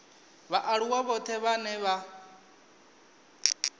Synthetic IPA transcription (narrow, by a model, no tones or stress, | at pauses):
βaʔaɺuwaβɔt̪ʰɛβanɛβa